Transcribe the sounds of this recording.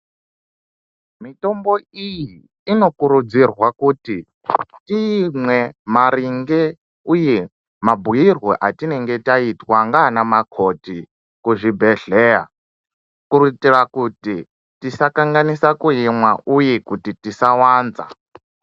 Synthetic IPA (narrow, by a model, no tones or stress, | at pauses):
mitomboijiː | nokuɾud͡zirwakuti | timwemaɾiŋɡɛ | uje | mabʱujirwɔ̰ʔatinɛŋɡetaitwaŋɡaːnamakʰoti | kuʐibʱɛɮɛja̰ | kuɾutirakuti | tisakaŋɡanisakujimwaʔujekutitisawaːnd͡za̰